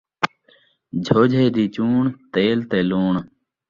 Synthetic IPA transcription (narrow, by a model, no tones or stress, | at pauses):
d͡ʒʱoːd͡ʒʱeːd̪iːt͡ɕuːɳt̪eːlt̪eːluːɳ